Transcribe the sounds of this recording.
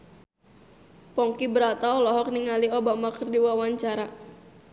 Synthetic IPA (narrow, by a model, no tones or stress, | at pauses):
pɔŋkibəɾat̪aɔlɔɦɔk̚niŋaliobamakərdiwawaɲt͡ʃaɾa